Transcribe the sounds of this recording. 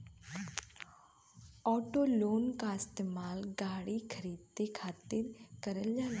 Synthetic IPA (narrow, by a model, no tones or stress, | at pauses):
ɔːʈoːloːnkaɪst̪eːmaːlɡaːɽikʰəɾiːd̪̚t̪ekʰaːt̪ɪɾkəɾəld͡ʒaːne